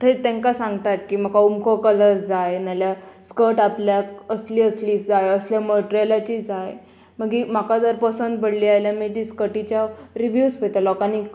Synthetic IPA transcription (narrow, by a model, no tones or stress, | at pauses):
t̪ʰet̪ɛ̃ŋkasãŋɡt̪at̪̚kiːməkʰaumkʰokələɾd͡zajnaljaskəʈapljakəsliːəsliːd͡zajəsljaməʈɾiəlat͡ɕiːd͡zaj | məɡim̤akʰad͡zəɾpəsənd̪bəɽliːajljamət̪iskəʈit͡ɕjaɾiʋjuspet̪alɔkanik